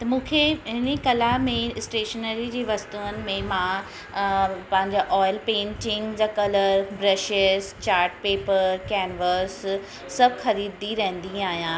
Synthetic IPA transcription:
t̪ɐmũːkʰeɦɪnikɐlamẽsʈeːʃənəɾid͡ʑeːʋɐst̪uənɪ̆mẽmã | pɐ̃ɦɪ̃ɲd͡ʑaʔɔːɪlpẽːɳʈɪ̃ŋd͡ʑakɐləɾbɾɐʃɪst͡ɕaːɾʈ̚peːpəɾkɛːnʋəsː | ɐbxɐɾiːd̪iɾɐɦɪ̃nd̪ĩaːɦjã

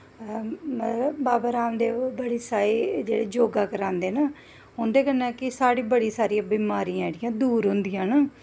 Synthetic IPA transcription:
məɾbaːbaːɾaːmd̪eːbəɽiːsaːɾeːd͡ʒeːɽeːd͡ʒoːɡaːkəɾãːnd̪eːnaː | ɦʊnd̪eːkənãːkɪsaːɽeːbəɽiːsaːɾijãːbiːmaːɾiːãɽɪjãːd̪uːɾɦʊnd̪ɪjãːnaː

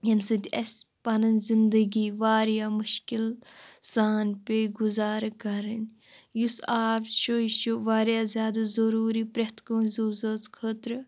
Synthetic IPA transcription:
jɐnsɨd̪ʲɐspɐnɐnzind̪əɡiːʋaːɾjaːmʊʃkilz̥aːnpeɡuzaːɾkɐɾɐn | jusaːpʃoʃuʋaːɾjaːzʲjaːd̪azoɾuːɾipɾɐt̪koːnzuːzɐt͡skʰəːt̪ɾɨ

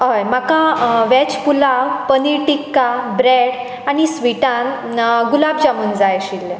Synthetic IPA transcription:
ɦəjmakãʋɛt͡ɕpulapəniʈikːabɾɛɽ | anisʋiʈãn | ɡulabd͡ʑamund͡zajɕilːe

